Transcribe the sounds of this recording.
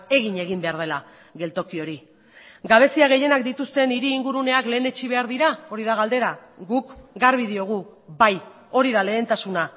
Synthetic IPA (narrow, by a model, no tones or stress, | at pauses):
e̞ɣiɲe̞ɣimbe̞aɾð̞e̞la | ɣe̞lt̪o̞kio̞ɾi | ɡaβ̞e̞siaɣ̞e̞je̞nakd̪it̪ust̪e̞niɾiːŋɡuɾune̞akle̞ːne̞t͡ʃiβ̞e̞aɾðiɾao̞ɾiðaɣ̞ald̪e̞ɾaɡukɡaɾβið̞io̞ɣ̞u | baj | o̞ɾiðale̞ːnt̪asuna